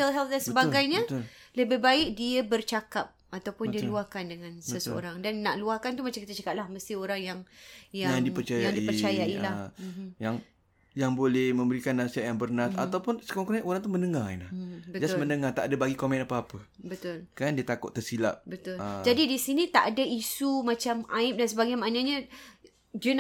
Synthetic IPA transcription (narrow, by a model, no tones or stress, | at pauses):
əlɦɛlt̪̚dansəbaɡajɲələbɪbaɪk̚diəbərt͡ʃakap̚at̪awpʊndiəluahkandəŋansəsə̰o̰ɾaŋdanːaʔluahkant̪umat͡ʃaŋkit̪at͡ʃakat̪̚lahməst̪ioɾaŋjaŋjajadipərt͡ʃajaʔdiipət͡ʃajailajaŋ | jaŋbolɛhmə̃mbəɾikanːasiat̪̚jaŋbərnat̪̚at̪awpʊnsə̥kaaŋkunaʔoɾaŋt̪uhmə̃nəŋaḭnlabətd͡ʒasməndəŋat̪aʔadabaɡikomɛ̃napaapə | bət̪ʊlkandiət̪akʊ̰ʔt̪ːərsila̰ʔ̚bət̪ʊld͡ʒadidisinĩt̪aʔadaisumat͡ʃamaɪp̚dans̬əbaɡajmanaɲa | d͡ʒən